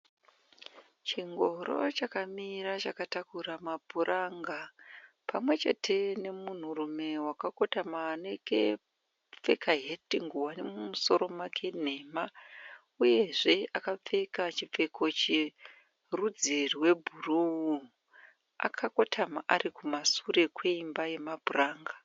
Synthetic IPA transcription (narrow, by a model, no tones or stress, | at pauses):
t͡ʃiŋɡo̞ɾo̞̰t͡ʃakamiɾat͡ʃakatakuɾamabʱuɾʔaŋɡa | pʰamwe̞t͡ʃe̞̰tʰe̞ne̞mun̤urume̞wakako̞tamaːneɡḛ | p͡fe̞̰kaɦetiŋɡuwane̞mumuso̞ɾo̞makʰen̤e̞ma | uje̞ʐe̞akap͡fe̞kat͡ʃip͡fe̞kʰot͡ʃi | rud͡ziriwe̞bʱurou | a̰kʰako̞tʰamaʔarikumasure̞kwe̞imbaje̞mabʱuraːŋɡa